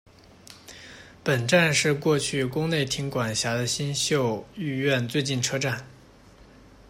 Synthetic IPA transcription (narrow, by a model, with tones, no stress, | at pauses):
pə˨˩nʈ͡ʂa˥˧nʂɻ̩˥˧kwɔ˥˧t͡ɕʰy˥˩kʊ˥ŋne˥˩ɪt̪ʰi˧˥ŋkwa˨˩nɕja˧˥d̪ə˧ɕi˥nɕjo˥˧ʊy˥˧ɥɛ˥˧nt͡swe˥˧ɪt͡ɕi˥˩nʈ͡ʂʰɤ˥ʈ͡ʂa˥˩n